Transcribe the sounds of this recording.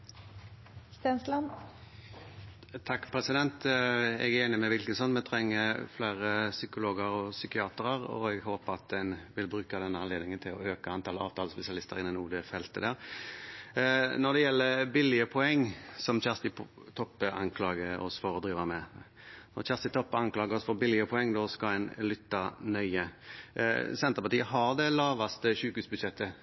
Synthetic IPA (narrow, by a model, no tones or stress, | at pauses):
st̪ɛnslɑn | t̪ʰɑkːpʰɾɛsɪd̪ɛnt̪ɛ̰ɡæɾeːnɪmɛʋɪlkənsɔnːmɛt̪ʰɾɛŋːəflæːɾəsʏkʊloːɡəɾɔsʏkɪɑːt̪ɾəɾɔ̰ɛɡhoːpəɑt̪̚d̪ɛnʋɪlbɾʉːkɑd̪ɛnːəɑnleːd̪nɪŋənt̪ʰɪlɔøːkəɑnt̪ʰɑːləɑːʋt̪ʰɑːləspɛsɪɑlɪst̪əɾɪnɛnuːd̪ɛfɛlt̪əd̪æːɾ | nɔɾd̪ɛjɛlːəbɪlːɪəpʰɔɛŋːsɔmçæʁst̪ɪ | t̪ʰɔpːəɑ̰ŋkʰlɑːɡəɔ̰sfɔɾɔd̪ɾiːʋɑmɛ | nɔ̰ɾçæʁst̪ɪt̪ʰɔpːəɑŋklɑːɡəɾɔsfɔbɪlːɪəpʰɔɛŋːd̪ɔskɑlɛnlʏt̪ːɑnœʏə | sɛnt̪əpɑʈ̪iːəɦɑɾd̪ɛlɑːʋɑst̪əçʉːkʉːsbʉd̪ʃɛt̪ʰːə